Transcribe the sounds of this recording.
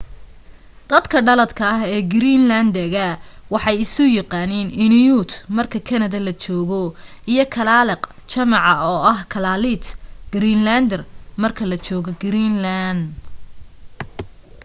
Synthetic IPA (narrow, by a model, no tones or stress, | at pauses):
d̪̥ɐd̪kʰɐɖɐlɐd̪kʰɐɐɦɛːɡɪɾiːnlɐnd̪ɐɣɐwɑħɑjɪsʊjɑqɑːnɛːnɪnɪjut̪mɐrkʰɐkʰɐnɐðɐlɐt͡ʃɔːɣɔʔijɞkʰɐlaːlɛqt͡ʃɐmɑʕɑɔːʔɐɦkʰɐlaːlit̪ɡ̥ɾiːnland̪ɛrmɐrkʰɐlɐt͡ʃɔːɣɔɡɾiːnland̪